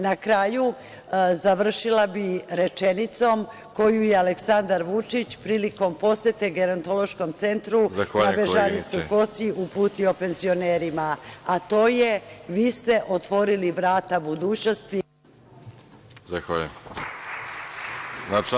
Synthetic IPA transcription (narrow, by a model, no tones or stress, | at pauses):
nakɾaːju | zaʋr̩ʃilabiɾe̞t͡ʃe̞nit̪so̞m | ko̞jujealeksand̪aɾʋut͡ʂit͡ɕpɾiːliko̞mpo̞sjet̪e̞ɡe̞ɾont̪o̞lˠo̞ʃko̞mt̪se̞nt̪ɾuzaxanːabeʒaɾinsko̞jko̞siʔupuːt̪io̞pe̞nzio̞neːɾimaat̪o̞ːje̞ʋiːst̪e̞ʔo̞t̪ʋo̞ɾiliʋɾaːt̪abud̪uːt͡ɕno̞st̪i | zaxa | na